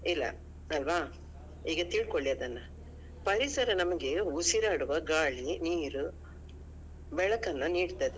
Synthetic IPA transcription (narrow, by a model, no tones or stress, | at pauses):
ilːɐ̰ | ɐlʋaː | iːɡɐt̪iːɭkoɭːiɐd̪ɐnːɐ | pɐɾisɐɾɐnɐmɐɡe̞usiɾaːɽuʋɐɡaːɭiniːɾu | bɛɭɐkɐnːɐniːɽt̪ɐd̪e